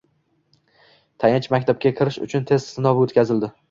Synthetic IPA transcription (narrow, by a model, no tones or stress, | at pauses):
t̪ʰajɪnt͡ʃʰmakʲt̪ʰap̚kʲakʲʰɪɾɪʃʊ̰t͡ʃʰʊnt̪ʰe̞z̥sɪnɒvɪot̪kʲʰazɪld̪ɪ